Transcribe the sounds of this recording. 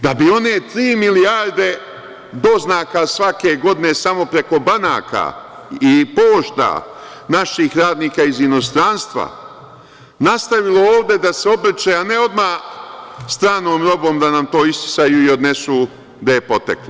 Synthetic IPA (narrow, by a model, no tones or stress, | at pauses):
d̪abio̞ne̞t̪ɾiːmiliaɾd̪e̞ | d̪o̞znaːkasʋake̞ɡo̞d̪ine̞samo̞pɾe̞ko̞bana̰ːka̰ | ipo̞ːʃt̪a̰ | naʃixɾaːd̪niːkaizino̞st̪ɾanst̪ʋa̰ | nast̪aʋilo̞oːʋd̪e̞d̪ase̞o̞bɾ̩t͡ʃeaneo̞d̪maː | st̪ɾaːnoːmɾo̞bo̞ːmd̪anamt̪o̞ːist̪i̥sajuio̞d̪ne̞suː | d̪ajepo̞t̪ḛklˠo